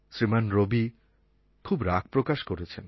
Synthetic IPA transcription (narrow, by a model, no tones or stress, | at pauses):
sɾimanɾobi | kʰubɾak̚ʰpɾokaʃkoɾet͡ɕʰen